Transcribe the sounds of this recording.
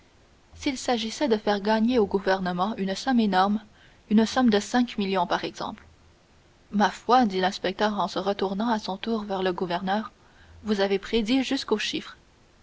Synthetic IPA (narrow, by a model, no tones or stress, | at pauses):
silsaʒisɛd̪əfɛʁɡaɲeoɡuvɛʁnəmɑ̃ynsɔmenɔʁm | ynəsɔmd̪əsɛ̃kmiljɔ̃paʁɛɡz̥ɑ̰̃pl | mafwad̪ilɛ̃spɛk̚t̪œːʁɑ̃səʁət̪uʁnɑ̃asɔ̃t̪uːʁvɛʁləɡuvɛʁnœːʁ | vuzavepχed̪iʒyskoʃifχ